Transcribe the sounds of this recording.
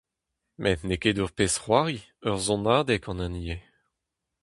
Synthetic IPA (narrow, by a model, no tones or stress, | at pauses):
mʔɛtneked̪uʁpesʁwaːʁi | œʁzɔ̃naːd̪ɛkɑ̃nãnije